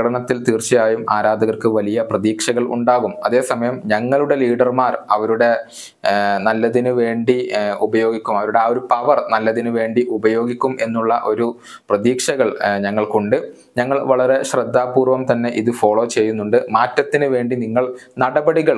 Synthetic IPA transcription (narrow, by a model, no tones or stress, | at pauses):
ɐɽɐɳɐt̪ːilt̪iːrt͡ɕːijaːjumaːɾaːd̪ɐɣɐrkɨʋɐlijɐprɐðiːkʂɐɣɐɭṵɳɖaːɣumɐ̰ðe̞ːsɐmɐjɐmɲɐŋːɐɭuɽe̞liːɽɐrmaːrɐʋɐɾuɽe̞ | nɐlːɐðinɨʋe̞ːɳɖiubɐjo̞ːɡikʲːumɐʋɐɾuɽe̞oɾupɐʋɐrnɐlːɐðinɨʋe̞ːɳɖiʔubɐjo̞ːɡikʲːume̞nːuɭːɐʔo̞ɾu | prɐðiːkʂɐɣɐɭɲɐŋːɐɭkoɳɖɨ | ɲɐŋːɐɭʋɐɭɐɾe̞ɕrɐd̪ːaːpuːrʋɐmt̪ɐnːe̞ʔiðɨfo̞ːɭo̞ːt͡ɕe̞jːunːuɳɖɨmaːtːɐt̪ːinɨʋe̞ːɳɖiniŋːɐɭnɐɽɐbɐɽiɣɐɭ